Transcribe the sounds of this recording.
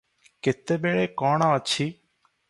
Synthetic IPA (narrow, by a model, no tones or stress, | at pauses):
kɪt̪eːɓeːɭeːkɔ̃ːɳãːət͡ʃʰʃʰiː